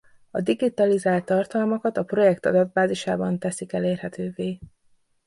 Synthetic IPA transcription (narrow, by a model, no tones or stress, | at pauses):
ɒd̪iɡit̪ɒlizaːlt̪ːɒrt̪ɒlmɒkɒt̪ɒpro̞jɛkt̪ɒd̪ɒd̪̚baːziʃaːbɒnt̪ɛsikɛleːrhɛt̪øːveː